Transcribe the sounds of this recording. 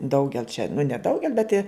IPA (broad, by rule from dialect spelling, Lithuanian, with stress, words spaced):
ˈdɐʊɡʲɛlˠ t͡ʃʲɛ nʊ nʲɛˈdɐʊɡʲɛlˠ bʲɛt ɪ